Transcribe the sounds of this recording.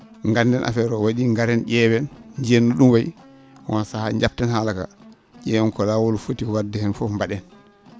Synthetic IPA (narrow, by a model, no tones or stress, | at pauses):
ŋɡandɛnʔa̰fɛɾɔwaɗiŋɡaɾɛnʔɛːwɛnɲd͡ʒenːuɗumwaj | wansahaɲd͡ʒap̚tɛnhalaka̰ | ʄɛwɛnkɔlawolfotiwadɛhɛnfɔfmbaɗɛn